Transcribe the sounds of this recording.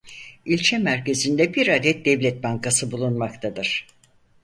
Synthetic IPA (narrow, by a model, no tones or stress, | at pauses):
ilʲt͡ʃʰɛmæɾce̞zind̪ɛbiɾad̪ɛt̪̚d̪ɛvlʲɛt̪̚baŋkʰasɯbulˠunmakt̪ʰad̪ɯɾ̥